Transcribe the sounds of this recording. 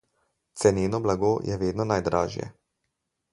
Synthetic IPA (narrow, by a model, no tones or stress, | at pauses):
t̪sɛneːnɔblaɡoːjʔɛʋeːd̪nɔnajd̪ɾa̰ːʒjɛ̰